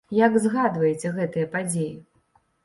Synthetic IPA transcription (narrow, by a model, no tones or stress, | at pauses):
jaɡzɣad̪vɐjɛt͡sʲɛɣɛt̪ɨjɐpad͡zʲeji